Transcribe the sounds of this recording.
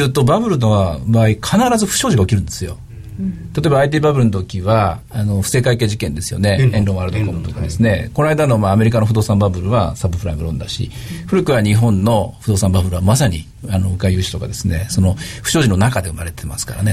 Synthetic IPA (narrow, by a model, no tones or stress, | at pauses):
ɯ̟ːt̪o̞babɯ̟ɾɯ̟no̞βabaːikʰanaɾazɨɸɯ̟̥ɕo̞ːʑiɡao̞kʲiɾɯ̟̃nd̪e̞sɨjo̞̰ | t̪at̪o̞ebaːit̪̬iːbabɯ̟ɾɯnot̪okʲiβaːno̞ɸɯ̥se̞ːkaike̞ːʑikẽ̞nd̪e̞sɨjo̞̰ne̞ẽnɾõ̞aɾɯd̪o̞kõmɯt̪o̞kad̪e̞sɨne̞̰ko̞naid̪ano̞maːme̞ɾʲikano̞ɸɯ̟d̪o̞ːsãmbabɯ̟ɾɯ̟βa̰sabɯ̟pɯɾaimɡɯ̟ɾõ̞nd̪aɕḭ | ɸɯ̟ɾɯ̟kɯ̟βaɲ̟iɦõ̞nːo̞ɸɯ̟d̪o̞ːsãmbabɯ̟ɾɯ̟βamasaɲ̟i | anoɯ̟kaijɯ̟ːɕi̥t̪o̞kad̪e̞sɨne̞so̞no̞ɸɯ̟̥ɕo̞ːʑino̞nakad̪e̞ɯmaɾe̞t̪emasɨ̥kaɾane̞